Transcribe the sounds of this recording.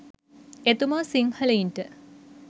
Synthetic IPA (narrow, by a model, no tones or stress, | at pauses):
et̪umaːsiŋhɐleinʈə